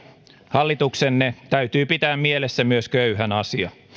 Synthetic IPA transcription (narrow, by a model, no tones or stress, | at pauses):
hɑlːit̪uksenːet̪æyɥt̪yːpit̪æːmmielesːæmyøskøyhænɑsiɑ